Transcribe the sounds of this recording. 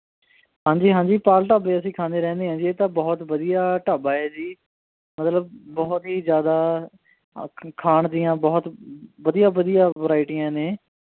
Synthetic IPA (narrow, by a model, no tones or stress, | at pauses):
hãːɲd͡ʒiːɦãːɲd͡ʒiːpaːlʈaːbeːəsĩːkʰãːnd̪eːɾɛ̃ːnd̪eːɦãːd͡ʒiːeːt̪ãːbɔːt̪ʋəd̪ijaːʈaːbaːɛːd͡ʒiː | mət̪ləbːɔːt̪ɦiːzjaːd̪aː | kʰaːɳd̪ɪjãːbɔːt̪ʋəd̪ijãːʋəd̪ijaːʋəɾaːɪʈijãːneː